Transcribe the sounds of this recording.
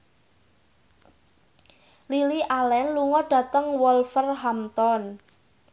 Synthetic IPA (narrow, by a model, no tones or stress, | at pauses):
liliʔalɛnluŋɔɖ̥a̤t̪əŋwɔlfərɦamt̪ɔn